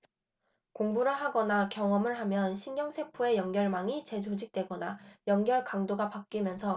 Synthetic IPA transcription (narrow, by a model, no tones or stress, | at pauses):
koŋbuɾɯɦaɡʌnakjʌŋʌmɯɭɦamjʌnɕʰiŋɡjʌŋsʰe̞pʰoe̞jʌŋɡjʌɭmaŋit͡ɕe̞d͡ʑod͡ʑik̚t͈we̞ɡʌnajʌŋɡjʌɭkaŋdoɡapak̚k͈imjʌnsʰʌ